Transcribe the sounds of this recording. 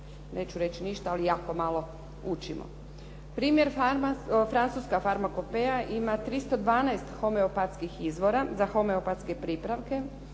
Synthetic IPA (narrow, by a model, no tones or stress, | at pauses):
nʔe̞ːt͡ɕuɾe̞t͡ɕiniʃt̪aalijaːko̞malo̞ | ut͡ʃimo̰ | pɾiːmjeɾ | fɾant̪suskafaɾmako̞pejaʔimat̪ɾist̪od̪ʋaːnaest̪xo̞meopat̪skixizʋo̞ɾazaxo̞meopat̪ske̞pɾipɾaʋke̞